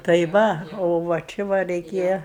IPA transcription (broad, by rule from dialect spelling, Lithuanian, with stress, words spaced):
tɐɪ ˈʋɐ ˈoː ʋɐ ˈt͡ʃʲɪ ʋɐ rʲɛɪˈkʲeːjɛ